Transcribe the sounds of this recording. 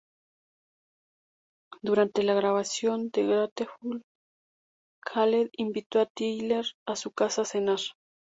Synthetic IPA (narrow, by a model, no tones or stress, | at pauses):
d̪uɾant̪elaɣɾaβasjo̞nd̪eɣɾat̪exul | kʰaleðimbit̪oat̪ijleɾasukasasenaɾ